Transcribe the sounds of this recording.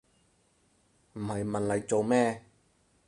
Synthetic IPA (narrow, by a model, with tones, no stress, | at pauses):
m̩˨˩hɐ˨jmɐ˨nlɐ˨˧jt͡so˨wmɛː˥